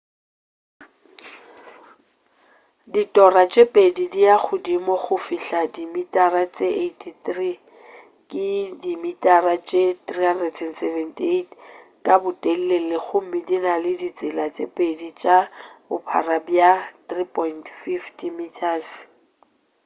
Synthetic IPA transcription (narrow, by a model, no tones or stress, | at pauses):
ditʼɔrat͡ʃʼepʼedidiaχʊdimɔχʊfɪɬadimitʼarat͡sʼeʔetʰitri | kʼɪdimitʼarat͡ʃʼetrihandrɛdsɛnsɛvɛntʰʼietʰkʼabʊtʼel̩lelɪɣʊm̩mɪdinalɪdit͡sʼɪlat͡sʼepʼedit͡ʃʼabʊpʰa̰rabjat̪ripʰʼɔjntfiftʰimitʰas